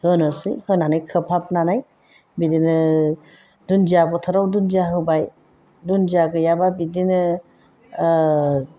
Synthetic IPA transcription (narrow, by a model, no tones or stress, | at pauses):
hɯnɔsɯ̰jhɯnanajkʰɯpʰap̚nanaj | bidinɯ | dund͡ʒiabɔtʰaɾawdund͡ʒiaɦɯbaj | dund͡ʒiaɡɯjababidin